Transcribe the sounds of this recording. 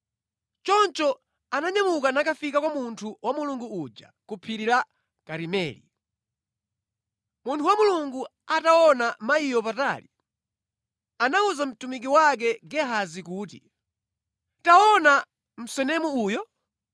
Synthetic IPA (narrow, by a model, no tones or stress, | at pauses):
t͡ʃɔnt͡ʃɔ | anaɲamukanakafikakwamuntʰuwamuluŋɡuud͡ʒa̰kupʰiɾila | kaɾimɛːli | muntʰuwamuluŋɡu | ataɔnamaijɔpata̰ːli | anauzam̩tumik̬iwak̬ɛɡɛɦazikuːtḭ | taɔna | m̩sɛnɛmuuːjɔ